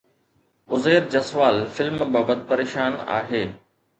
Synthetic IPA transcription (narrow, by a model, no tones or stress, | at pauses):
ʊzeːɾd͡ʑɐsʋaːlfɪlmbaːbət̪̚pɐɾeːʃaːna̰ːɦeː